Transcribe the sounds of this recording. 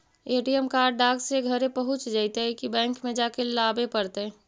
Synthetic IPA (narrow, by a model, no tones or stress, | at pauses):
eːʈijəmkaːɾɖɖaːɡseɡʱəɾẽpəɦʊt͡ʃd͡ʒaːɪt̪eɦɛkibɛ̃ːŋkmẽd͡ʒakelaːbepəɾt̪e